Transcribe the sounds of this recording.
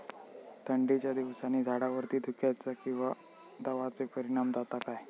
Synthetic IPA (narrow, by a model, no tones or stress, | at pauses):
t̪ʰəɳɖit͡ɕjad̪iʋsaniːd͡zʱaɽaʋəɾt̪iːd̪ʱukjajt͡sakĩw̃ʋa | d̪əʋat͡sepəɾiɽ̃amd͡zat̪akaj